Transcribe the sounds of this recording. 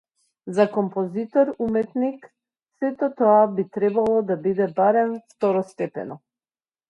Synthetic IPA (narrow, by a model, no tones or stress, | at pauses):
zakɔmpɔzit̪ɔɾumɛt̪nik | sɛt̪ɔt̪ɔabit̪ɾɛbalˠɔd̪abid̪ɛbaɾɛmft̪ɔɾɔst̪ɛpɛ̰nɔ